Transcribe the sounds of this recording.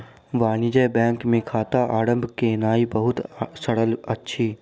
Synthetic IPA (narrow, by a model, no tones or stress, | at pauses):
ʋaːnid͡ʒəbɛ̃ːŋkmẽkʰaːt̪aʔaːɽə̃mbʱkenaːibɐɦʊt̪sɐɽəlɐtːʃʰiː